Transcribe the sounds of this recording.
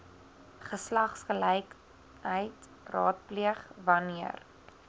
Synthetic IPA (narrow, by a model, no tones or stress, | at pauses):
χəslɐχsχəlɛjk | əjt | rɑ̰ːt̚pliəχvɐniər